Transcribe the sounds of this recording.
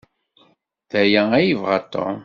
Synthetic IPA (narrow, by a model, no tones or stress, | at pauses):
ðæjææjəvʁɑ̰t̪o̰